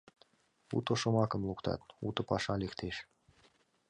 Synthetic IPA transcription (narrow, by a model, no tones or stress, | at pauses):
ṵt̪ŏʃŏmɑkə̆mlˠukt̪ʰɑ̰t̪ṵt̪ɤ̆pɑʃɑlekt̪ʰeʃ